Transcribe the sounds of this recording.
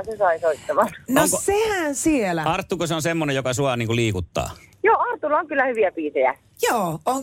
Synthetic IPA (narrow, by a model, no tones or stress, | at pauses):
sesɑisoit̪ːɑmɑnnoŋksehænsielæɑrt̪ːukoseonsemːonejjokɑsuɑniːŋkuliːkut̪ːɑ̰ːjoːɑrt̪ːulːɑoŋkylːæhyʋiæpiːt̪ejæ̰ | joːoŋ